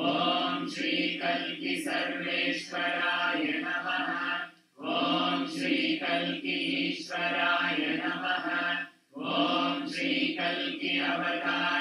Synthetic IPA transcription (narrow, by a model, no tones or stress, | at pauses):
oːmʃɾiːkɐlkisɐɾʋeːʃʋɐɾaːjɐnɐmɐɦɐ | ʋoːmʃɾiːkɐlkiʃʋɐɾaːjɐnɐmɐɦɐ | oːmʃɾiːkɐlkiɐʋʱɐd̪ʱaː